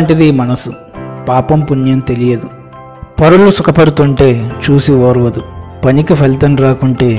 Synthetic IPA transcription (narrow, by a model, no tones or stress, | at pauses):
ɳʈid̪iːmɐnɐsu | paːpɐmpunjɐmt̪e̞lijɐd̪u | pɐɾulusukʰɐpɐɽut̪uɳʈe̞ːt͡ʃuːsioːɾʋɐd̪upɐnikipʰelt̪ɐnɾaːkuɳʈe̞ː